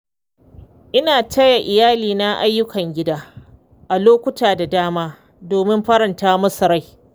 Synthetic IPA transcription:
ʔɪ˦naː˨tɐ˦ja˨ʔɪ˨jaː˦liː˨na˦ʔa˦jːʊ˦kʰɐ˨ŋɡʲɪ˦daː˦ | ʔa˨loː˦kʷʊ˦taː˨da˨daː˦maː˦ | doː˨mɪ˦mɸɐ˦ɾɐ˨ntaː˦mɐ˦sɐ˨ɾa˦j

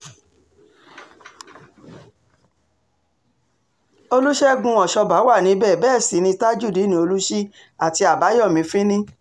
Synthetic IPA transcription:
o˧lu˦ʃɛ˦ɡũ˧˦ɔ˨ʃɔ˧ba˨˦wa˦˨nĩ˨˧˦bɛː˦˨bɛː˦˨si˨˦nĩ˧ta˦d͡ʒu˦˨di˨˦nĩ˧˦o˧lu˦ʃi˦ | a˨ti˧a˨ba˨˦jɔ˦˨mĩ˧fĩ˦nĩ˦

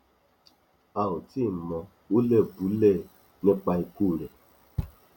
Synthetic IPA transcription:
a˨wu˨ti˦˨mɔ̃˨ | o˦lɛ˦˨bu˨˦lɛ˦˨ | ɲɔ̃˦k͡pa˧i˧ku˦˨ɾɛ˨

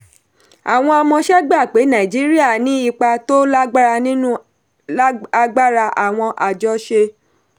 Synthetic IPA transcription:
a˨w̃ɔ̃˧a˧mɔ̃˧ʃɛ˦ɡ͡ba˦˨k͡pe˨˦nã˨i˨d͡ʒi˨˦ɾi˦a˦˨nĩ˨˦i˦˧k͡pa˧to˦la˦ɡ͡ba˦ɾa˧nĩ˦nũ˦ | a˧ɡ͡ba˦ɾa˧ʔa̰˨w̃ɔ̃˧ʔa˨d͡ʒɔ˦ʃe˧

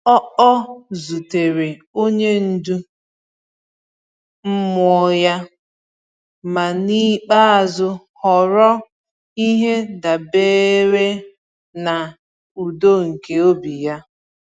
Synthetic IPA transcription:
ɔ˦ɔ˦zu˨te˨ɾe˨o˦ɲe˦n̩˨du˦ | m̩˦mʊ˨˦ja˦ | ma˨ni˦k͡pa˦a˨zʊ˦ | hɔ˨ɾɔ˦ | i˦ɦe˦da˨beː˦ɾe˦ | na˨ | u˨do˦ŋ̩˨ke˨o˦bi˨ja˦

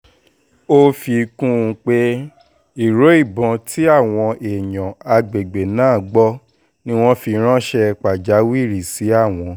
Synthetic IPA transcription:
o˦fi˧kũ˦ũ˨˧˦k͡pe˦ | i˦˨ɾo˨˦i˦˨bɔ̃˨˧˦tʰi˦a˦˨w̃ɔ̃˧ʔe˨jã˨a˧ɡ͡be˨ɡ͡be˨nãː˦˨˦ɡ͡bɔ˦ | nĩ˦w̃ɔ̃˦fi˧˦ɾ̃ã˦ʃɛ˧k͡pa˨d͡ʒa˨˦wi˦˨ɾi˨si˨˦a˦˨w̃ɔ̃˧

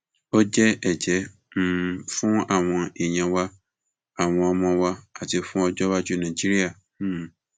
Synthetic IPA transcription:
o˦d͡ʒɛ˦ɛ˨d͡ʒɛ˨˦ | m̩˦˨fũ˦a˦˨w̃ɔ̃˧e˨ɲɛ̃˨wa˧ | a˨w̃ɔ̃˧a˨mɔ̃˧wa˧a˨tɪ˨fũ˦ɔ˦d͡ʒɔ˦βa˦d͡ʒu˦nã˨d͡ʒi˦ɾi˦a˨˦˨

